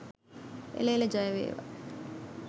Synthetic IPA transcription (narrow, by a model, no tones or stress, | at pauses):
ḛleːləd͡ʒajəʋḛːʋa̰